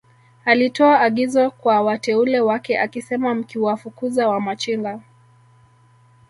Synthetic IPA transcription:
alitɔaːɠizɔkwawatɛulɛwakɛʔakisɛmam̩kiwafukuzawamat͡ʃiŋɡa

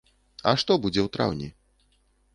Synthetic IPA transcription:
aʂt̪ɔbud͡zʲɛwt̪ɾa̰wnʲḭ

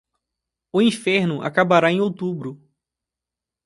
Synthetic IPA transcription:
ʊĩfɛɾnʊʔa̰kabaɾaẽj̃owt̪ubɾʊ

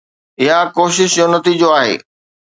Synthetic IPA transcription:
ɪɦakoːʃɪʃjonɐt̪iːd͡ʑoaːɦḛː

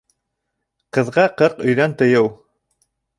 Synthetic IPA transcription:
qɤ̆ðʁɑqɤɾqɵ̆jðænt̪ɤ̆jɤw

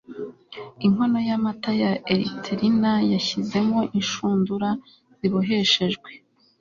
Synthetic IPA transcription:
iŋono̞jamatajaʔeɾitʰeɾinajaçize̞moʔinʃuːnduɾa | z̥iβoɦe̞ʃe̞ʒɡwe̞

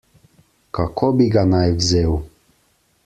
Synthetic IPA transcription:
kakʰɔbiɡanajwzɛw

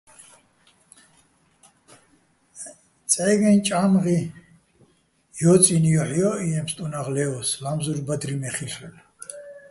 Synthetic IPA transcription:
t͡sʼɛɡɛnt͡ʃʼamʁi | jɔt͡sʼinijɔħjɔiɛmst̪ʼunaʁlɛɔslamzuɾbad̪ɾimɛχilsɛl

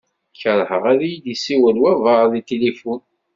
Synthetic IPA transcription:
çəɾˤhəʁaðijid̪isiwəlwævəðit̪ilifun

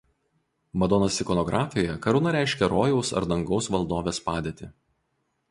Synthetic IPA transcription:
bɐd̪oːnɐsʲɪkɔnɔɡɾʔɑːfʲɪjɛkɐɾʊnɐɾʲæˑɪʃʲkʲɛɾoːjɔʊsɐ̰ɾd̪ɐŋɡɒʊsʋɐlˠd̪oːʋʲeːspɑːd̪ʲeːt̪ʲɪ

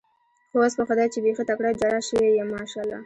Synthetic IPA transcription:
xoaspəxad̪at͡ʃebexit̪akɽad͡ʒaɾɑʃəwejemɑʃɑlɑ̰

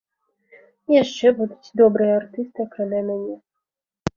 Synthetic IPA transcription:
ijaʂt͡ʂɛbud̪ut͡sʲd̪ɔbɾɨjɛart̪ɨst̪ɨkɐlʲamʲanʲɛ

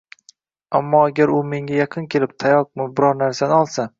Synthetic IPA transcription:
amːɒaɡʲaɾʊme̞ŋɡʲajɑqʰɨnkʲe̞lɪp̚t̪ʰajɒq̚mɪbɪɾɒɾnaɾsanɪɒlˠsa

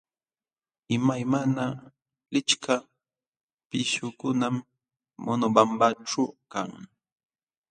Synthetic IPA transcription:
ɪmajmana | lɪt͡ʃka | pɪʃʊkʊnamː | ʊnʊbambaʈ͡ʂʊkaŋ

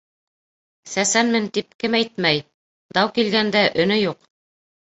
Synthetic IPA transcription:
sæsænmɘnt̪ipkɘmæjt̪̚mæj | d̪̥ɑwkilɡænd̪æʔɵ̆nɘjuq

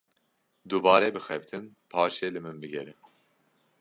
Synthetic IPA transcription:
d̪ubɑːɾɛbɨxɛvt̪ʰɨn | pʰɑːʃeːlɨmɨnbɨɡʲɛɾɨn

